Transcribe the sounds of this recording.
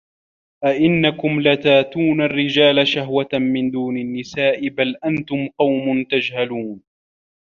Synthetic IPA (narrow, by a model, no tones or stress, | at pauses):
ʔaʔɪnːakʊmlat̪aːt̪uːnarːɪd͡ʒaːlaʃaɦwat̪mɪnd̪uːnanːɪsaːʔɪbalʔant̪ʊmqɑwmʊnt̪ad͡ʒhaluːn